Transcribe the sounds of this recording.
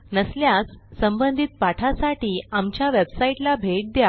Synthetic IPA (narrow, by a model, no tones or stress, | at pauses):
nəsljasːəmbənd̪ʱit̪̚paʈʰasaʈiːamt͡ɕjaʋebsaiʈlabʱeʈ̚d̪ja